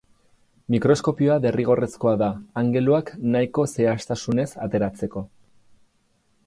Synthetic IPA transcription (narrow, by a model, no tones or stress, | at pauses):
mikɾo̞sko̞pioaβe̞riɣ̞o̞re̞sko̞aðaːŋɡe̞luaknajko̞se̞ast̪asune̞sat̪e̞ɾat͡se̞ko̞